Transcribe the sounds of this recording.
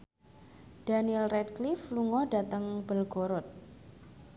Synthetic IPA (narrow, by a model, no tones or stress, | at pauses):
d̥anilrɛdklifluŋɔdat̪əŋb̥əlɡoɾɔt̪̚